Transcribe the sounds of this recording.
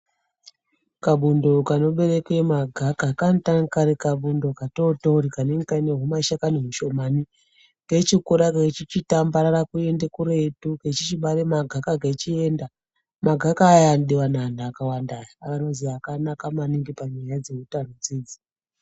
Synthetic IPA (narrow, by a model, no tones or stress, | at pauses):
kaɓundo̞kano̞ɓe̞ɾe̞kwemaɡʱakakantaŋkaɾekaɓundo̞katotouɾikaneŋɡikaine̞ɦumaiʃakaneɦuʃo̞mani | ket͡ʃikuɾaket͡ʃit͡ʃitambaɾarakue̞ndekuɾetuket͡ʃit͡ʃiɓaɾemaɡʱakaɡet͡ʃie̞ːnda | maɡʱakaːjanɗiwanandaːkawandajaakano̞ziakanakamaniŋɡipaɲajad͡ze̞ɦutanod͡zeːd͡zi̥